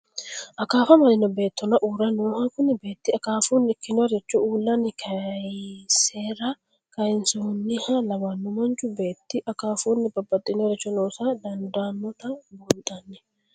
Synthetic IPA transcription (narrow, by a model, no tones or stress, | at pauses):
ʔɐkaːfɐmɐlɪnɔbe̞ːt̪ːɔnɐʔuːɾɐnuːhakʊnːɪbe̞ːt̪ːɪɐkaːfuːnːɪɪkːɪnɔɾɛt͡ʃːɔuːlːɐnɪkʰɐjseːɾɐ | kɐjɪnsʊnːɪhɐlɐmɐnːʊmɐnt͡ʃʊbe̞ːt̪ːɪʔɐkaːfuːnːɪbɐbːɐt̪ʼːɪnɔɾɛt͡ʃːɔnoːsad̪ɐnd̪aːnːɔt̪ɐbɔnt̪ʼɐnːɛ̥